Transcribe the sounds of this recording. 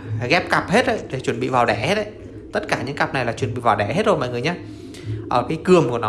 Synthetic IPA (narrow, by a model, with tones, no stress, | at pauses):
ɣɛ˦˥p̚ka˨˩p̚he˦˥t̚ɗə̰˧˨jɗe˨˩t͡ɕwə˧˩nɓḭ˧˨vaː˨˩wɗɛ˧˩he˦˥t̚ʔə˧˦j | t̪ə˦˥t̚kaː˧˩ɲɨ̰˧˥ŋka˨˩p̚na˨˩jlaː˨˩t͡ɕwə˧˩nɓḭ˧˨vaː˨˩wɗɛ˧˩ɦe˦˥t̚zo˧jma̰˧˨ŋɨ˨˩əjɲaː˨˧˦ | ʔəː˧˩kaː˨˦jkɨ˨˩əmku˧˩ənɔ˨˦